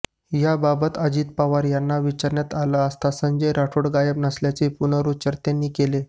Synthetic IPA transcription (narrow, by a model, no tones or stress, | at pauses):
jababət̪əd͡ʑiːt̪̚paʋaɾjanːaʋit͡ɕaɾɳjat̪alaəst̪asəɲd͡ʑəjɾʔaʈʰoɽɡajəbnasljat͡sepunəɾut͡ɕəɾt̪anːiːkele